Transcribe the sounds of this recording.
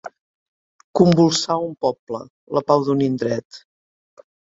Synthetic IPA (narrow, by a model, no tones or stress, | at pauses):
kumbulˠsaumpɔplə̰ | ləpawd̪unind̪ɾɛt̪